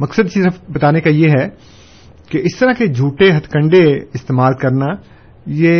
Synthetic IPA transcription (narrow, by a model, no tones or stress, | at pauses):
mɐksəd̪̚t͡ʃiːɾɐbɐt̪aːnekajeɦɛ | keɪst̪ɐɾaked͡ʒʱuːʈeɦɐt̪ʰkə̃ɳɖeɪst̪eːmaːlkɐɾna | jeː